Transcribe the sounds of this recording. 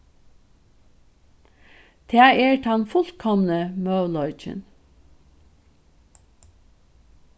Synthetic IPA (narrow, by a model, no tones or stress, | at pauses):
t̪ʰeːæɪʔeːʈhɑnfʊlt̪kʰɔmnəmœːlɔʏt͡ʃə̰n